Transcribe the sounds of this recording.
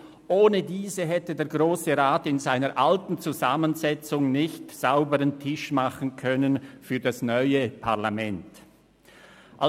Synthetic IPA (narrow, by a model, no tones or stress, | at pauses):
ʔoːnədiːzəɦɛtədeːɐɡʁoːsəʁaːtɪnzaɪnəɾʔaltn̩t͡suzamənzɛt͡sʊŋnɪçtz̥aʊbəʁəntʰɪʃmaχn̩kʰœnənfyːɐdasnɔʏəpʰaɐʁlamɛnt | ʔa